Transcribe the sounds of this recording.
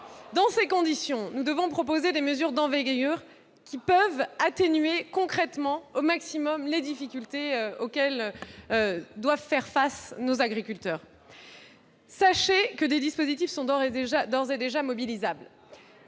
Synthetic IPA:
d̪ɑ̃sekɔ̃d̪isjɔ̃nud̪əvɔ̃pχɔpozed̪eməzyʁd̪ɑ̃vɛɡjœʁ | kʲipœvat̪enɥekɔ̃kχɛt̪mɑ̃omaksimɔmled̪ifikʲylt̪eøokʲɛlød̪wavfɛʁfasnozaɡʁikʲylt̪œːʁ | saʃekəd̪ed̪ispozit̪ifsɔ̃ʁʒad̪ɔʁzed̪eʒamɔbilizabl

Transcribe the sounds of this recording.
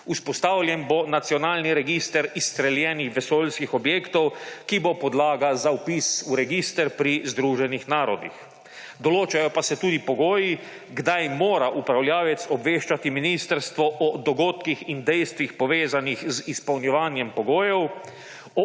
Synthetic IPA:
uspɔst̪awlʲjɛnbonat̪siɔnaːlniɾɛɡist̪ɛɾist̪ɾɛljɛːnixʋɛsoːlskixɔbjeːkt̪ɔwkibopɔd̪laːɡazaupisuɾɛɡist̪ɛɾpɾizd̪ɾuːʒɛnixnaːɾɔd̪ḭx | d̪ɔloːt͡ʃajɔpasɛt̪uːd̪ipɔɡoːji | ɡd̪ajmoːɾaʔupɾawljaːʋɛt̪sɔbʋeːʃt͡ʃat̪iminist̪əɾst̪ʋɔʔɔd̪ɔɡoːt̪kixind̪ɛjst̪ʋixpɔʋeːzanixzispɐwnjɛʋaːnjɛmpɔɡoːjɛw | ɔ

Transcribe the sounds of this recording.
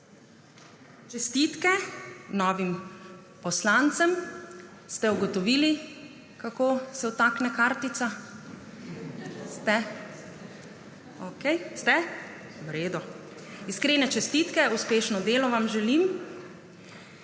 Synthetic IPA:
t͡ʃɛst̪iːt̪kɛnɔːʋim | pɔslant̪sɛm | st̪ɛuɡɔt̪ɔʋiːli | kakoːsɛwt̪aknɛkaːɾt̪it̪sa | st̪ɛ | okɛjst̪ɛ | wɾeːd̪ɔ | iskɾeːnɛt͡ʃɛst̪iːt̪kɛuspeːʃnɔd̪eːlɔʋamʒɛlim

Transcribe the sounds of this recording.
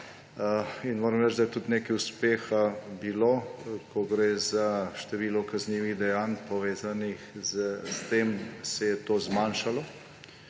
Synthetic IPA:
inmoːɾɐmɾɛt͡ʃd̪ajɛt̪ut̪neːkɛuspeːxabiloːkɔɡɾeːzaʃt̪ɛʋiːlɔkazniːʋiɣd̪ɛjanpɔʋeːzanixzst̪emsɛjɛt̪oːzmanʃalɔ

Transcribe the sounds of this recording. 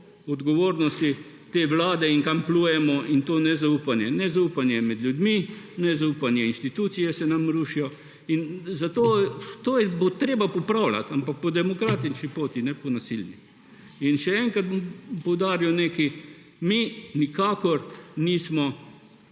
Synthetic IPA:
ɔd̪ɡɔʋoːɾnɔst̪i | t̪eːʋlaːd̪ɛiŋkampluːjɛmɔʔint̪oːnɛzaupanjɛnɛzaupanjɛmɛd̪ljud̪mi | nɛzaupanjɛinʃt̪it̪uːt̪sijɛsɛnamɾuːʃijɔ | inzat̪oːt̪oːjɛbot̪ɾeːbapɔpɾawla̰t̪ampak̚pɔd̪ɛmɔkɾaːt̪it͡ʃnipoːt̪inɛpɔnasilni | inʃɛɛːŋkat̪̚bmpɔwd̪aːɾijɔneːki | minikaːkɔɾniːsmɔ

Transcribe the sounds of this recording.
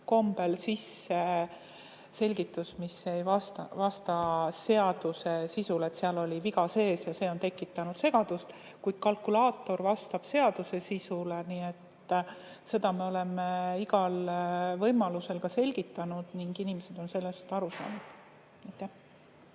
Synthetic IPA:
ko̞mb̥e̞lsisːe | se̞lʲɡit̪ːˑusmisːe̞jvɑst̪ɑvɑst̪ɑse̞ɑd̪̥use̞sisule̞t̪seɑlo̞lʲiviɡɑse̞ːsjɑse̞ːo̞nt̪e̞kːˑit̪ːˑɑnud̪̥se̞ɡ̥ɑd̪̥ust̪ | kujd̪̥̚kɑlkulɑːt̪ːˑo̞rvɑst̪ɑb̥se̞ɑd̪̥use̞sisuleniːe̞t̪ː | se̞d̪̥ɑmeo̞le̞meiɡɑlvɤjmɑluse̞lkɑse̞lʲɡ̥it̪ːˑɑnud̪̥niŋɡinimese̞d̪o̞nse̞lːe̞st̪ɑɾusɑ̰ːnud̪̥ | ejt̪ːˑæh

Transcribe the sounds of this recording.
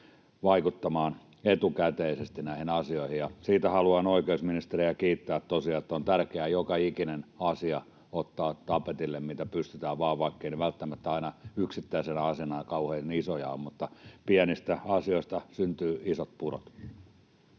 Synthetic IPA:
ʋɑikut̪ːɑmɑːn | et̪ukæt̪eisest̪inæˑihinɑsioihijjɑsiːt̪æhɑluɑnoikeusminist̪eriækiːt̪ːæːet̪tosiɑet̪ːæont̪ærkeæjokɑikinenɑsiɑ | ot̪ːɑːtt̪ɑpet̪ilːemmiːt̪æpyst̪yt̪æːʋʋɑːʋʋɑikːeineʋælt̪ːæmæt̪ːæɑinɑyksit̪ːæisenɑsenɑjɑkɑuheinisojɑ̰ommut̪ːɑpiænist̪æɑsioist̪ɑsynt̪yːisot̪̚puro̰t̪

